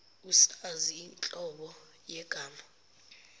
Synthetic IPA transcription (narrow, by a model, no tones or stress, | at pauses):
usaziːnt͡ɬʼɔɓɔ | jɛɡ̥ʱaːma